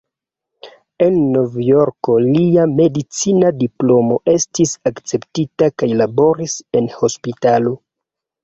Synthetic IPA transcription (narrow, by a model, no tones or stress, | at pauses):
e̞nːo̞vjo̞ɾko̞liame̞dit͡sinadiplo̞mo̞ʔe̞stisakt͡se̞ptitakajlabo̞ɾise̞nho̞spitalo̞